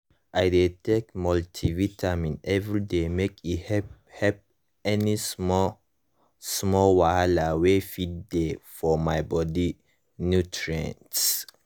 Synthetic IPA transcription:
ʔaɪdetʰekmɔltʰivitʰamĩnɛvɹidemekihɛ | hɛp̚ | ɛnis | smɔlwahalawefiddefɔmaɪbɔdi | njutʰɹiã̰nts

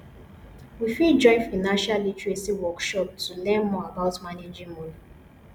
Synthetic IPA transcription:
wifid͡ʒɔ̃ɪ̃nfaɪnãnʃalːitɹesiwɔkʃɔp̚tʰulɛ̃nmɔabaʊtmaned͡ʒĩŋmɔdi

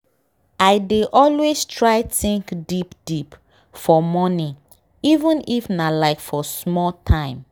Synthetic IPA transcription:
aɪdeʔɔlwestʰɹaɪθĩŋkdipd̥ip | fɔmɔni | ivũnifnalaɪkfɔsmɔltʰãɪ̃m

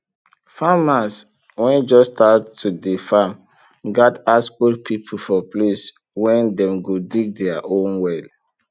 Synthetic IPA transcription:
famas | wɛ̃nd͡ʒɔstʰatʰːudefam | ɡɔdaskɔlpʰipʰl̩fɔples | wɛ̃ndɛ̃mɡodiɡ̚dɛaʔõnwɛl

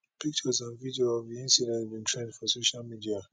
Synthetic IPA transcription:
pʰik̚t͡ʃəzãnvidioɔvðiĩnsidɛ̃nbĩntʰɹɛ̃ndfɔsoʃalmidia

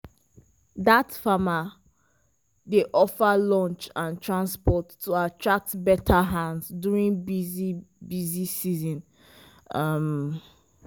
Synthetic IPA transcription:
datfama | deʔɔfalɔ̃nt͡ʃãntʰɹãnspɔtːuatʰɹak̚tbɛtʰaɦãndsduɹĩnbizibizisizɔ̃n | ʌm

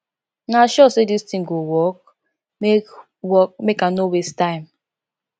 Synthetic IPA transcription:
naʃɔsedistĩŋɡowɔk̚ | mek | wɔk̚mekãnowestãɪ̃m

